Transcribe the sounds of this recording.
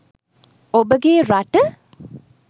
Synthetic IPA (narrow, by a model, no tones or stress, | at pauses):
obəɡeːɾaʈə